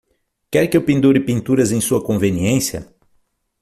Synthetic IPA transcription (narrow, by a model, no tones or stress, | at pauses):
kɛɾkɪewpĩnd̪uɾɪpĩnt̪uɾɐzẽj̃suɐkõveniẽsjɐ̰